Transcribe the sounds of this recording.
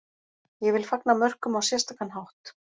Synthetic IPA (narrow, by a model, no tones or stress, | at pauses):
jɛvɪlfaknamœr̥kʏmawsjɛst̪akanɦawht̪